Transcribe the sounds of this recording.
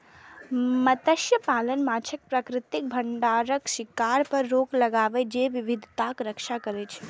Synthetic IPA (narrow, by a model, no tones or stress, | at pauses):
mət̪əʃjəpaːlənmaːt͡ʃʰək̚pɾəkɾɪt̪ɪk̚bʱəɳɖaːɾəkʃɪkaːɾpəɾːoːklɐɡaːʋed͡ʒeʋɪʋɪd̪ʱt̪akɾəkʃakəɾet͡ʃʰe̥